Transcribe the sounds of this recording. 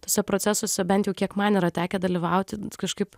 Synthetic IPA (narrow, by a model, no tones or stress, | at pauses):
t̪oːsʲɛpɾoːtt͡s̪ʲæsoːsʲɛbʲɛnt̪jɛʊkʲiɛkmɐniːɾɐt̪ʲæːkʲɛd̪ɐlʲɪʋɐʊt̪ʲkɐʃkɐɪp